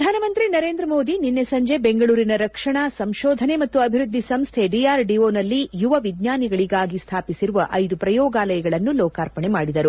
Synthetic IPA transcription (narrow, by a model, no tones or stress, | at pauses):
ɐd̪ʱaːnɐmɐnt̪ɾinɐɾe̞ːnd̪ɾɐmoːd̪ininːesɐɲd͡ʒe̞beŋɡɐɭuːɾinɐɾɐkʂɐɳasɐmʃɔːd̪ʱɐne̞mɐt̪ːuɐbʱiɾud̪ʱːisɐmst̪ʰe̞ɖiaːɾɖioːnɐlːijuʋɐʋid̪ɲaːniɡɐɭiɡaːɡist̪ʰaːpisiɾuʋɐʔɐjd̪upɾɐjɔːɡaːlɐjɐɡɐɭɐnːulɔːkaːɾpɐɳɛmaːɽid̪ɐɾu